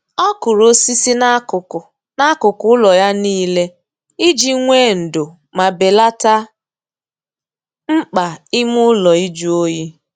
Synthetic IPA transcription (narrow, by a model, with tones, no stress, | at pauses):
ɔ˦kʊ˨ɾo˦si˦si˦na˦ʊ˨ʊ˨ | na˦kʊ˨kʊ˦ʊ˦lɔ˨ja˦niː˦le˦ | i˦d͡ʒi˦ŋʷe˦˨n̩˨dʊ˨ | ma˨be˨la˦ta˦ | ŋ͡m̩˦k͡pa˨ɪ˦mʊ˦lɔ˨i˦d͡ʒu˦o˦ji˦